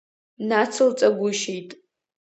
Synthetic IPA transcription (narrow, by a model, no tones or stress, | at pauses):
nat͡sʰɨlt͡sʼaɡʷʊʃejtʼ